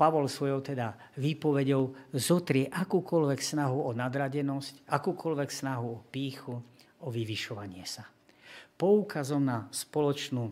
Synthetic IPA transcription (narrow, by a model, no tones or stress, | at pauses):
paʋɔlsʋɔjɔʊt̪ɛd̪a | ʋiːpɔʋɛɟɔʊzɔt̪ɾɪɛʔakuːkɔlʋɛksnaɦuɔnad̪ɾaɟɛnɔscakuːkɔlʋɛksnaɦuɔpiːxu | ɔʋiʋiʃɔʋaɲɪɛsa | pɔuːkazɔmnaspɔlɔt͡ʃnuː